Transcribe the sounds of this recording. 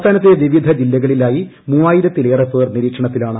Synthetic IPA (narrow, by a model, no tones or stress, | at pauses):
t̪ʰaːnɐt̪ːeʋiʋid̪ʱɐd͡ʑilːɐɣɐɭilaːji | muːaːjiɾɐt̪ːile̞ːrɐfeːrniɾiːkʂɐɳɐt̪ːilaːɳɨ